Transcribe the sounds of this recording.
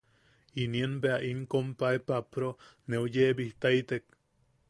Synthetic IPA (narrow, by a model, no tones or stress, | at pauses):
inienbeaʔiŋkompaepapɾoneojeːbiht̪ait̪ek̚